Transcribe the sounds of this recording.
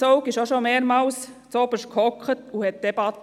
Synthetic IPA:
oʊkɪʃoʃomeːɾmɑːls | t͡sob̥əʃkʰhɔkχətuhɛt̪̚d̥̪ɛbɑt̪

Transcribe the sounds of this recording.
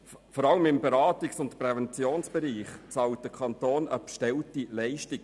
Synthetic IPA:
fɔɾɑləmɪmbɛɾɑːtiksʊntpɾɛvɛnt͡sjoːnsb̥ɛɾiːχt͡sɑlt̚d̥əkʰɑntoːnəpʃtɛltilɛɪʃtɪɡ

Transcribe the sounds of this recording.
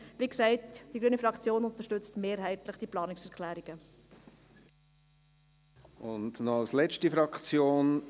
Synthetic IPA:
ʋiksɛɪtd̥iɡɾyənifɾɑkt͡sjoːnʊnt̪əʃtʏt͡stmeːɾɦɛɪtləχd̥iplɑːnɪksɛʁkʰlæːɾiɡ̥ə | ʊndnɔɑlslɛt͡ʃtifɾɑkt͡sjoːn

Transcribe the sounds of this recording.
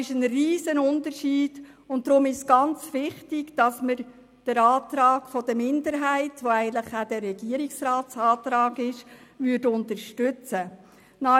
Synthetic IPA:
ɪʃənriːzənʊntərʃiːd̥ | ʊnt̚dɾʊmɪʃsɡ̥ɑnt͡sʋɪχtɪɡ̥d̥ɑsməɾ | d̥əɾɑːtɾɑːɡ̥fɔd̥əmɪndəɾɦæɪtʋoæɪɡəntləχæd̥ɛrːɛɡiəɾiksrɑːtsɑːtɾɑːɡɪʃʋʏɾdʊntəɾʃtʉt͡sə | nɑ

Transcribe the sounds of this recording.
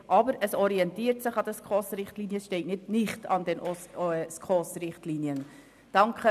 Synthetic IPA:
ʔɑbəɾəsɔɾiɛntiːɾtsɪχɑd̥̪əskχoːsɾɪχtliːnjəsʃtɛɪtnɪdnɪχtɑ̰ndɛnʔɔskχoːsɾɪχtliːnjən | d̥ɑŋkχə

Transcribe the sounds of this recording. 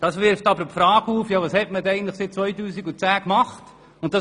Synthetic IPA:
d̥ɑːsʋɪɾftɑbəɾpfɾɑːɡuːfjɑːʋɑːshɛtmədɛɪɡntləχsɪt̚t͡sʋɔʏtuːsikut͡sæːkmɑχt | ʊnt̚d̥ɑ

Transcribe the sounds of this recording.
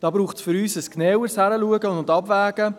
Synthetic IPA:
d̥ɑːbɾuːχtsfʏɾyːsəsknɛːwəshæɾəluəɡəʊʊndɑbvæːɡə

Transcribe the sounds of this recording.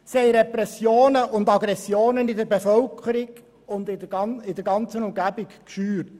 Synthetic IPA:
sɛɪɾɛpɾɛsjoːnəʔʊnd̪ɑɡɾɛsjoːnənɪd̪əɾbefœlkʰəɾɪɡ | ʊnd̪ɪɪdəɾɡɑnt͡sənʊmɡæbɪkkʃyːɾt

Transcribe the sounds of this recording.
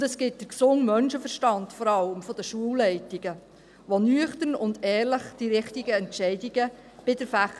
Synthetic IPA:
ʊndəsɡ̥ɪt̚d̥əɾksʊŋmœnʃəfəɾʃtɑndfɔɾɑləmfɔd̥əʃuəwlːɛɪtiɡ̥ə | ʋɔnyəχtənʊndɛːɾləχd̥iɾɪχtiɡəɛntʃɛɪdiɡə | b̥ɪdəɾfæχ

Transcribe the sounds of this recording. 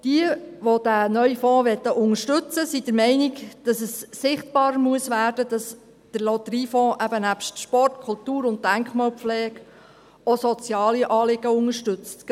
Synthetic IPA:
d̥iə | ʋod̥ænœɥfɔ̃ːʋɛt̪ːəʔʊŋəʃtʉt͡səsid̥əɾmɛɪnɪɡd̥ɑsəsːɪχtb̥ɑːɾəmuəsʋæːɾd̥əd̥ɑs | d̥əɾlɔt̪əɾiːfɔ̃ːʔæbənæpʃtʃpɔrtkʰʊlt̪uːɾʊnt̚dæŋkχmɑlpflɛːɡ | osɔt͡sjɑːliʔɑːlɪɡəʊŋəʃtʏt͡st

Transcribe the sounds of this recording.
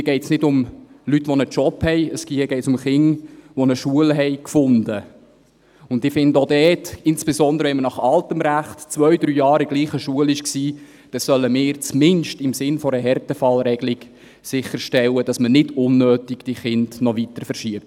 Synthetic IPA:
ɡɛɪtsnɪdʊmlytːʋɔnət͡ʃɔphɛɪəskiɡɛɪtsʊmχɪŋʋɔnəʃuəlɦɛɪkfʊndə | ʊndɪfɪndodɛːtɪnsb̥esɔndəɾəʋɛnmənɑχɑltəmɾæχtt͡svœʏdɾyːjɑːɾɪɡ̥liːχəʃuəlɪʃksiː | d̥ɑssœlːəmɪːɾt͡smɪnʃtɪmsɪnfɔɾəɦɛrtɛfɑlɾɛɡlɪɡ̥ | sɪχːəɾʃtɛlːəd̥ɑsmənɪdʊnːøːtɪɡ̥d̥iχɪndnɔʋitəɾfəɾʃiəp̚t

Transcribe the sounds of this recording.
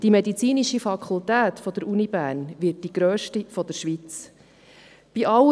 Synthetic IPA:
d̥imɛd̪it͡siːniʃifɑkʰult̪æːt̪fɔd̥̪əɾunibæːɾnʋɪt̚diɡ̥ɾøːʃtifɔd̪əɾʃʋit͡s | b̥iʔɑ

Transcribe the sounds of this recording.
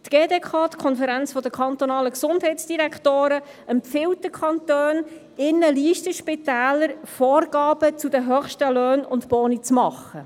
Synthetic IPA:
t̪ɡ̥eːdeːkʰɑːt̪kʰɔnfəɾænt͡sfɔd̪əkʰɑnt̪ɔnɑːləksʊndɦɛtsd̥iɾækʰtoːɾə | ɛmpfɪwtdəkʰɑnt̪øːn | ɪnːəliːʃtəʃpɪt̪æːləɾfɔːrɡɑːb̥ət͡sudəɦœχʃtəløːnʊntbɔːnit͡smɑχːə

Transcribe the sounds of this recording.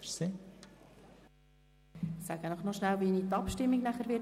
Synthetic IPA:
se | sæɡ̥ənɔχnɔʃnælʋinit̪ɑpʃtɪmːiɡnæχəɾʋɪ

